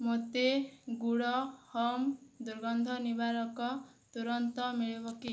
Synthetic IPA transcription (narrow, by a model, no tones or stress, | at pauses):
mot̪eɡuɽɔhɔmd̪uɾɡɔnd̪ʱɔnibalɔkɔt̪uɾɔnt̪ɔmiɭebɔki